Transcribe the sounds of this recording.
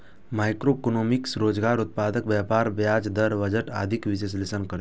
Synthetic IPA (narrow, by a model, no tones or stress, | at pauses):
majkɾokonomiksɾoːd͡ʒɡaːɾut̪̚paːd̪əkʋjapaɾʋjad͡ʒd̪əɾʋəd͡ʒəʈa̰ːd̪ʱikʋises̬lisənkəɾ